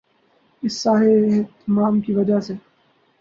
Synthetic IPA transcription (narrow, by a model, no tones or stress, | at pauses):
ɪsːaːɦet̪maːmkiʋɐd͡ʒase